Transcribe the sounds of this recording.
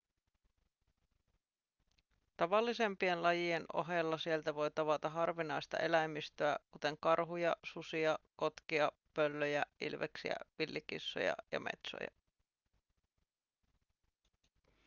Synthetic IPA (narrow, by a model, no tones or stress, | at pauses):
t̪ɑʋɑlːise̞mpie̞nlɑjie̞no̞̰ɦelːɑsie̞lt̪æʋo̞jt̪ɑʋɑt̪ɑɦɑrʋinɑjst̪ɑ̰ʔe̞læjmːist̪øækut̪e̞ŋkɑrɦujɑsusiɑko̞t̪kiɑ | pølːøjæʔḭlʋḛksḭæ̰ʋilːikḭsːo̰jɑ̰jɑ̰mḛt̪so̰jɑ̰